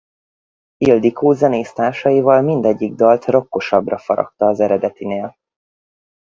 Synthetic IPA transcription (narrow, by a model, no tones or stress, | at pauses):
ild̪ikʰoːzɛneːst̪aːrʃɒjivɒlmind̪ɛɟːiɡ̚d̪ɒlt̪ro̞kːo̞ʃɒbrɒfɒɾɒ̰k̚t̪ɒːzɛɾɛd̪ɛt̪ineːl